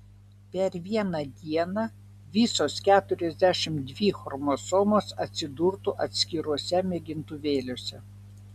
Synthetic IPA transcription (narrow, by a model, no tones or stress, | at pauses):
pʲɛɾʋʲiɛnɑd̪ʲiɛnɐ | ʋʲiˑsoːskʲæːt̪ʊɾʲɛzʲd̪ʲæʃʲɪmd̪ʲʋʲiːxɔɾmosɔːmoːsɐt̪ʲsʲɪd̪uɾt̪uʔɐt̪ʲsʲkʲɪɾuɔsʲɛmʲɛɡʲɪnt̪ʊʋʲeːlʲoːsʲɛ